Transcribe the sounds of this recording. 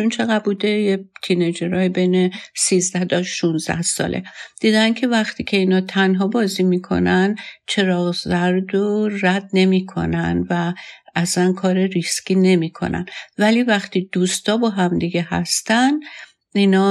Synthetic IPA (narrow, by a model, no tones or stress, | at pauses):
t͡ʃunt͡ʃʰe̞ɣæbuːd̪ejet̪ʰined͡ʒeɾɒːjibejnesiːzd̪æht̪ʰɒʃunzd̪æ̰hsɒ̰ːlʔe̞̰d̪̥iːd̪æncʰe̞væxt̪ʰiːcʲʰe̞iːnɒːt̪ʰænɦɒːbɒːziːmikʰo̞̰nænt͡ʃʰe̞ɾɒːɣzæɾd̪oræd̪̥̚ne̞miːkʰo̞̰næ̰nvæːsænkʰɒːɾeɾiscʲiːne̞miːkʰo̞̰næ̰nvæliːvæxt̪id̪̥uːst̪ɒːbɒːɦæmd̪iɡe̞hæ̰st̪æn | inɒː